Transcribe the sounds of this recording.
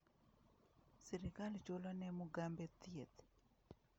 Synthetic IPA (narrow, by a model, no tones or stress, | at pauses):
siɾikalt͡ʃolanɛmuɡambet̪iet̪